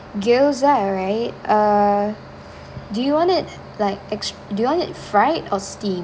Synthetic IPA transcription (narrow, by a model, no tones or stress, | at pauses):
ɡelzaɹaɪt̚ʔʌ | dujuwɔ̃nɪt̚ | laɪk̚ɛks | dujuwɔ̃nɪtfɹaɪtɔstĩm